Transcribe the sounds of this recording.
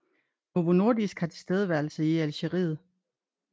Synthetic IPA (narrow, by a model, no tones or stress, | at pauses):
noʋono̝ɐd̥isɡ̥hɑ̈t͡sʰe̝̥sd̥eð̞ˠəʋæɐlsəiælɕəʁḭːð̩ˠ